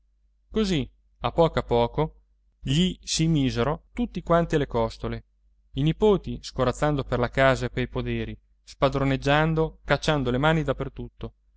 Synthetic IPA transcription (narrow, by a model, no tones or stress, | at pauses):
kozi | apːɔːkoapːɔːko | ʎisimiːzeɾot̪ut̪ːikwant̪ialekɔst̪ole | inipoːt̪iskoɾat̪sːand̪operlakaːzaepeɾipod̪eːɾi | spad̪ɾoned͡ʒːand̪okat͡ʃːand̪olemaːnid̪apːert̪ut̪ːo